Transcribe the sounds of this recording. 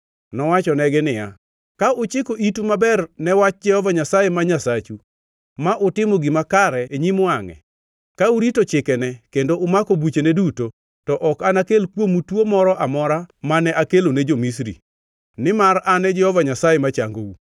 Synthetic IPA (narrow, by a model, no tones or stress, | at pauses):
nɔwat͡ʃɔnɛɡɛnɪja | kaʊt͡ʃɪkoʔitumabɛrnɛwat͡ʃ̚d͡ʒɛhɔvaɲasajemaɲasat͡ʃu | maʔʊtɪmoɡɪmakaɾɛeɲimaŋɛ̰ | kauɾitot͡ʃɪkɛnɛkendoʊmakobut͡ʃeneduto | tɔʔɔkanakelkwomutwomɔɾɔʔamɔɾamanɛʔakelonɛd͡ʒomis̬ɾḭ | nɪmaɾanɛd͡ʒɛhɔvaɲasajemat͡ʃaŋɡo̰u